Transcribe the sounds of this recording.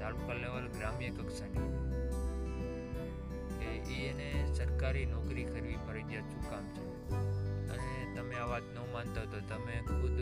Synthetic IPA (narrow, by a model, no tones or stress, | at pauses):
d̪ʱaɭukaleʋəlɡɾamjəkəksani | keʔienesəɾkaɾinɔkɾikʰəɾʋifəɾəd͡ʒ̪jat͡ʃʰũkamt͡ʃʰe | ə̰net̪əmeaʋat̪nə̃mãnt̪aɦt̪ot̪əmẽkʰʊd̪